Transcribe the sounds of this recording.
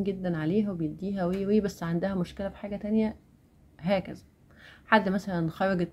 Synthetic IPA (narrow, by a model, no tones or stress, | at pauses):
mɡed̪ːænʕaleːɦæwebejebd̪ːiːɦæweːweːbæsːʕand̪æhæmoʃkelæfħaːɡæt̪ænjæ | ɦæːkæzæ | ħad̪ːmæsælænxɑɾˤɑɡet̪ː